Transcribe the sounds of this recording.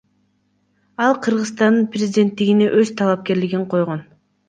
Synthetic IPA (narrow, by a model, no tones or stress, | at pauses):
ɑlˠqʰɯɾʁɯzst̪ɑnɯnprʲezʲɪdʲe̞nt̪ːiɡine̞ʔøz̥t̪ʰɑlˠɑp̚ke̞ɾliɡiɴqʰo̞jʁo̞n